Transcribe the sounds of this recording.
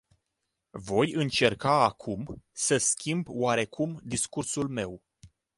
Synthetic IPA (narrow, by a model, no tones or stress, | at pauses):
vo̞jɨnt͡ʃe̞rkaːkʰumsəskʲʰimbwaɾe̞kʰumd̪iskursulme̞w